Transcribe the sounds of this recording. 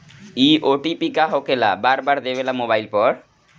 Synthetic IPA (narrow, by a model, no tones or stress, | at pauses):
iʔoʈipikaɦokela̰baɾbaɾd̪ebelamobajlpɔɾ